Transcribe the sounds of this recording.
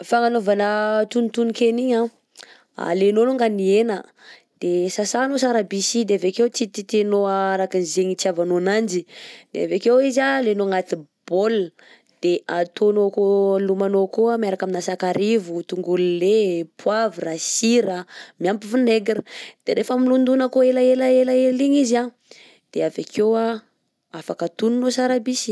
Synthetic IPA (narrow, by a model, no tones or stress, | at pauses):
faŋanovanət̪unit̪unikeniɲa | a̰lenoluŋɡanienə | d̪̥esasanosaɾabisid̪eavekewt͡s̪it̪it̪enoaaɾakinzeɲit͡siavanonand͡ʒid̪̥ḛa̰vekewizalenoŋat̪ib̥ol | d̪̥eat̪onokolumanokoamjaɾakaminasakaɾivut̪uŋɡulilepʰwavrasiɾamjampifineɡɾəd̪̥eɾefəmilund̪unəkoelaelaelaeliɲiza | d̪̥eavekʰewa | afakət̪ununosaɾabisi̥